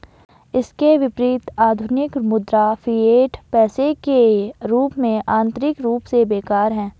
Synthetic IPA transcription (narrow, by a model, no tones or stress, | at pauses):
ɪskeʋɪpɾiːt̪aːd̪ʱʊnɪkmʊd̪ɾafieːʈpɛːsekeɾuːpmẽʔãːnt̪ɾɪkɾuːpsebeːkaːɾɦɛ̃ː